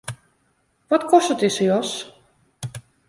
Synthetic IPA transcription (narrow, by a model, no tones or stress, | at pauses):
ʋɔtkʰɔstətisəjɔs